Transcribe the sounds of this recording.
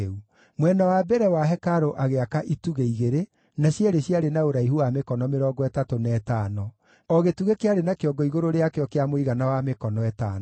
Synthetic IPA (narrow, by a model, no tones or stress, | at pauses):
u | mwɛnawabɛɾɛwaɦɛkaɾoʔaɣeakaʔituɣeiɣeɾe | naɕjɛɾeɕjaɾenaoɾaiɦuwamekɔnɔmeɾɔːɡɔɛtatonɛːtaːnɔ | ɔɣetuɣekeaɾenakeɔɡɔiɣoɾoɾeakeɔkeamoiɣanawamekɔnɔɛtaːn